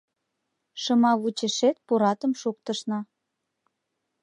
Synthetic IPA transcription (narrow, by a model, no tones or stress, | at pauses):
ʃəmɑβut͡ɕeʃet̪̚puɾɑt̪əmʃokt̪ə̆ʃnɑ